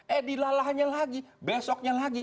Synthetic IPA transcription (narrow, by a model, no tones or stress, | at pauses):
ɛdilalaɦɲalaɡibɛsɔk̚ɲalaɡi